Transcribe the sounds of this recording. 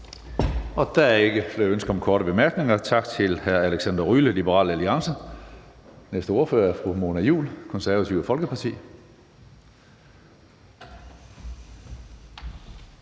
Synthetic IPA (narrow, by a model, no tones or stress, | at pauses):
ɒ̽d̥æe̝ɡ̥əfleønsɡ̥ɐɒ̽mkʰɒːɾəb̥e̝mæɐɡ̥ne̝ŋɐt͡sʰɑ̈ɡ̥t͡sʰe̝lhæɐæleɡ̥sænd̥ɐʁyləlib̥əʁɑ̰̈ːlæliɑ̈ŋsə | nesd̥əo̝ɐfø̰ːɐæfʁumo̝ːnæjṵːlkʰɔ̽nsæɐʋæt͡sʰiʊəfɒ̽lɡ̥əpʰɑ̈t͡sʰḭː